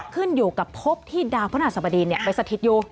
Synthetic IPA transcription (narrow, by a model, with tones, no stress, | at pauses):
kʰɯ˥˩njuː˨˩ka˨˩pʰo˦˥p̚t̪ʰiː˥˩daː˧wpʰːnaː˧˩sa˧˩ba˧diː˧ni˥˩ɐpa˧jsa˧t̪ʰi˧˦t̪̚juː˧˩